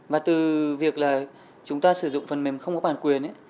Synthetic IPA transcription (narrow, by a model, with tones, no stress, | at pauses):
vaː˨˩t̪ɨ˨˩vi˨˩ək̚laː˨˩ | t͡ɕʊ˨˦ŋ͡mt̪aː˧sɨ˧˩zʊ̰˧˨ŋ͡mfə˨˩nme˨˩mxə˧wŋ͡mkɔ˦˥ɓaː˧˨˩nkwi˨˩ənʔə˨˦